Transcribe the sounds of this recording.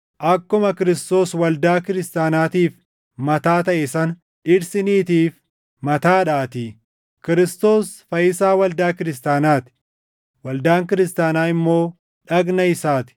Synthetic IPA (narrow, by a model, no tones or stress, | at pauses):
ʔɐkːʊmɐkɪɾɪst̪o̞ːswɐld̪aːkɪɾɪst̪aːnaːt̪iːf | mɐt̪aːt̪ɐʔɛsɐn | ɪɾsɪniːt̪iːf | mɐt̪aːᶑaːt̪iː | kɪɾɪst̪o̞ːsfɐjɪsaːwɐld̪aːkɪɾɪst̪aːnaːt̪ɪ̥ | wɐld̪aːŋkɪɾɪst̪aːnaːɪmːo̞ː | ᶑɐɡnɐɪsaːt̪ɪ̥